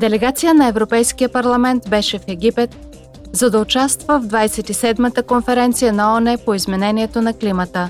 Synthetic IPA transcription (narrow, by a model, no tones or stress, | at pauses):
d̪ɛlɛɡat̪sijənɐɛvɾopɛjskijəpɐɾlˠɐmɛnt̪bɛʃɛfɛɡʲipɛt̪̚ | zɐd̪ɐot͡ʃast̪vəvd̪vajsɛt̪isɛd̪mət̪əkonfɛɾɛnt̪sijənɐɔnɛpoizmɛnɛniɛt̪onɐklimət̪ə